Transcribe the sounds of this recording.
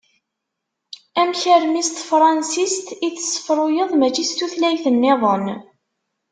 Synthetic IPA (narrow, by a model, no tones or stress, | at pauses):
æmçəɾmist̪fɾˤɑnsist̪iθə̥sːə̥fɾˤʊjəðˤmæt͡ʃːist̪uθlæjθənːɪðˤən